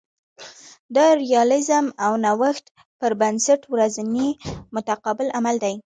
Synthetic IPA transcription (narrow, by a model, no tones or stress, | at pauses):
d̪əɾijɑlɪzəmawnawaxt̪ | pəɾbansaʈwɾaznimʊt̪aqɑbɪlamald̪aj